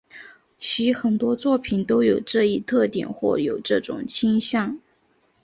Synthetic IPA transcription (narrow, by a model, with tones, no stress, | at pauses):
t͡ɕʰi˧˥xə˨˩nt̪wɔ˥t͡swɔ˥˩pʰi˨˩nt̪o˥ʊjo˨˩ʊʈ͡ʂɤ˥˧i˥˧t̪ʰɤ˥˩t̪jɛ̰˨˩nxwɔ̰˥˩jo˨˩ʊʈ͡ʂɤ˥˩ʈ͡ʂʊ̰˨˩ŋt͡ɕʰi˥nɕjɑ˥˩ŋ